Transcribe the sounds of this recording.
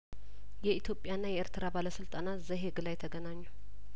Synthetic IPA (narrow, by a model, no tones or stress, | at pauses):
jɛit̪jo̞pʼːjanːajɛʔeɾt̪ʰɨɾabaləsɨlt̪ʼanat̪zəɦeɡɨlajt̪ʰəɡənaɲːu